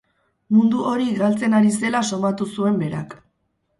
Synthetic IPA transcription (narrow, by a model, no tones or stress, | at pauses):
mund̪uo̞ɾiɡalt͡se̞naɾise̞laso̞mat̪usue̞mbe̞ɾa̰k